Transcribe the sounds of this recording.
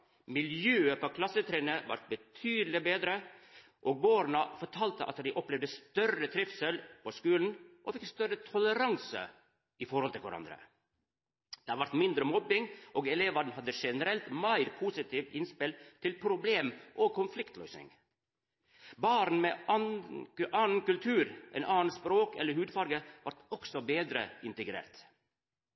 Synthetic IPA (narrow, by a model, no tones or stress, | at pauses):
mɪljøːəpʰoːkʰlɑsət̪ʰɾeːnəʋɑ̰ɾt̪̚bət̪ʰyːd̪l̩ɪbeːd̪ɾə | ʔoːɡ̚boːɾnɑfɔʈʰɑːlt̪əʔɑ̰t̪d̪ɪʔɔplɛʋd̪əst̪œɾət̪ʰɾɪfsəlposkʉːln̩ʔofɪkst̪œɾət̪ʰɔləɾɑŋsə̰ | ɪfɔɾhɔlt̪ʰɪlʋæ̰ɾɑ̰nd̪ɾə̰ | d̪̥ɛhɑɾʋɑɾt̪mɪnd̪ɾəmɔbːɪŋʔoːɡɛleːʋɑd̪n̩hɑd̪ːəʂɛnəɾɛlt̪mæɪɾpʰuːsɪt̪ʰiːʋɪnspɪlt̪ʰɪlpʰɾʊbleːmʔokʰʊnflɪkt̪ʰlœʏsnɪ̰ŋ | bɑːɾn̩meː | ɑːn̩kʉlt̪ʰʉːɾʔɛ̰ːnʔɑːn̩spɾoːkɛlːəɾhʉːd̪fɑɾɡəʋɑɾʈɔksɔbeːd̪ɾə̰ɪnt̪əɡɾḛːɾt̪